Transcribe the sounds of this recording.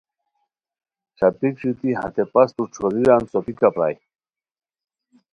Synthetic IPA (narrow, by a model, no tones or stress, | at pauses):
t͡ɕʰapikɕut̪iɦa̰t̪epɐst̪uʈ͡ʂʰoɾiɾant͡sopikapɾa̰ːj